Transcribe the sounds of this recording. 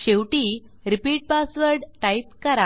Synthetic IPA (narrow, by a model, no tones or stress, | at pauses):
ɕewʈi | ɾipiʈ̚pasʋəɾɖʈajp̚kəɾa